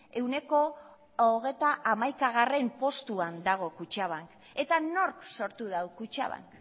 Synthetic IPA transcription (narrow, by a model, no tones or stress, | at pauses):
e̞wne̞ko̞ | oɣ̞e̞t̪aʔːmajkaɣ̞are̞mpo̞st̪uand̪aɣ̞o̞kut͡ʃaβ̞aŋk | e̞t̪ano̞ɾkso̞ɾt̪uðawkut͡ʃa̰βa̰ŋk